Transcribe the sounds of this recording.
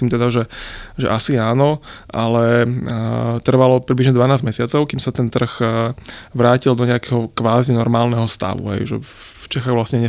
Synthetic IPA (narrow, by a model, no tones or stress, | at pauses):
imt̪ɛd̪aʒɛʒɛ̰ʔasiaːnɔʔalɛ | t̪r̩ʋalɔpɾibliʒɲɛd̪ʋanaːzɟmɛsɪat͡sɔʊkimsat̪ɛnt̪r̩ɣ | ʋɾaːcild̪ɔɲɛakɛɦɔkʋaːzinɔɾmaːlnɛɦɔst̪a̰ʋṵɦɛ̰jʒɛ̰ | ft͡ʃɛxaɣʋlasɲɛɲɛ